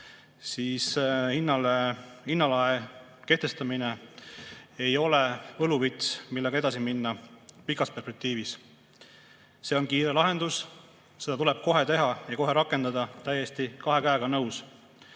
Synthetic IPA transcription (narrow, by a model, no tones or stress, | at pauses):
siːshinːɑlehinːɑlɑe | ke̞ht̪e̞st̪ɑmine | ejo̞levɤluvit̪smilːe̞ɡɑe̞d̪ɑsiminːɑpikːˑɑspe̞rspe̞k̚t̪iːvis | se̞ːo̞nkiːɾe̞lɑɦe̞nd̪̥us | se̞d̪̥ɑt̪ule̞b̥̚ko̞ɦe̞t̪e̞ɦɑjɑko̞ɦe̞ɾɑkːˑe̞nd̪ɑd̪ɑt̪æje̞st̪ikɑɦe̞kæeɡɑnɤws